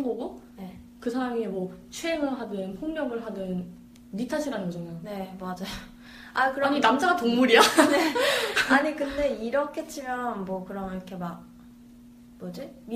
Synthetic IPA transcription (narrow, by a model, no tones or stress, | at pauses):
ŋɡʌɡone | kɯsʰaɾamimwʌt͡ɕʰieŋɯɭɦadɯnpʰoŋmjʌɡɯɭɦadɯn | ɾitʰaɕʰiɾanɯnɡʌd͡ʑʌŋjone̞mad͡ʑajo | akɯɾʌɲinamd͡ʑaɡatoŋmuɾiane̞aɲikɯnde̞iɾʌkʰet͡ɕ͈imjʌnmwʌkɯɾʌmiɾʌkʰe̞ma | mʌd͡ʑimi